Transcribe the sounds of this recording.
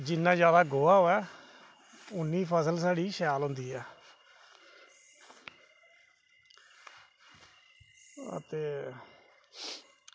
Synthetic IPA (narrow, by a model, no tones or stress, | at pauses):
d͡ʒɪnːãːd͡ʒjaːd̪aːɡoːaːɦoːɛː | ʊnːiːpʰəsəlsaːɽiːʃjaːlɦõːnd̪iːɛː | ə̰t̪eː